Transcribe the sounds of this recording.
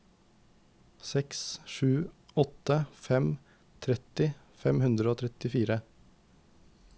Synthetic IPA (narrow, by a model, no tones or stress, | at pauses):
sɛksʃʉːɔt̪əfɛm | t̪ʰɾɛt̪ɪ | fɛmhʉnd̪ɾəoːt̪ʰɾɛt̪ɪfiːɾə